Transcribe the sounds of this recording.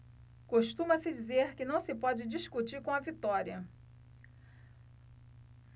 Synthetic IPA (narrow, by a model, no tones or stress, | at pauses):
koʃt̪ũmɐsɪd͡ʒizeɾkɪnɐ̃w̃sɪpɔd͡ʒɪd͡ʒiskut͡ʃiɾkõɐvit̪ɔɾiɐ